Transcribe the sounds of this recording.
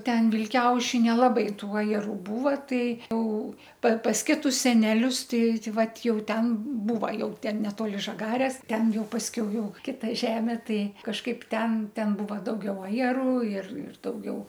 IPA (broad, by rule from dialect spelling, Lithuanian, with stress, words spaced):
ˈtʲɛn ʋʲɪlʲˈkʲɛʊʃʲɪ nʲɛlˠɐˈbɐɪ ˈtuɔ ɪr ˈbuːʋɐ ˈtɐɪ ˈjɛʊ pɐ pɐs ˈkʲɪtʊs sʲɛnʲɛˈlʲʊs ˈtɐɪ ˈtɐɪ ˈʋɐt ˈjɛʊ ˈtʲɛn ˈbuːʋɐ ˈjɛʊ ˈtʲɛn nʲɛˈtoːlʲɪ ˈʒɑːɡɐrʲeːs ˈtʲɛn ˈjɛʊ pɐsʲˈkʲɛʊ ˈjɛʊ ˈkʲɪtɐ ˈʒʲæːmʲeː ˈtɐɪ kɐʃˈkɐɪp ˈtʲɛn ˈtʲɛn ˈbuːʋɐ dɐʊˈɡʲɛʊ ɐjɛˈruː ɪr ɪr dɐʊˈɡʲɛʊ